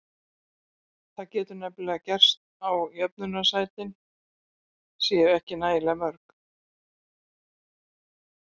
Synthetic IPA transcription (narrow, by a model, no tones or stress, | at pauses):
θaðcɛːt̪ʏɾnɛplɛɣacɛr̥st̪ | awjœp̚nʏnasaːjt̪ɪn | sjɛɾɛhcɪnaːjlɛmœɾk